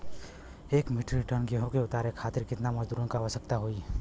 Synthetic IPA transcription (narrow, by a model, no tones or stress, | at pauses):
ekmiʈɾiʈənɡeɦõkeʊt̪aɾekʰat̪iɾkɪt̪naməd͡ʒd̪uɾənkaʋəsəkt̪aɦoi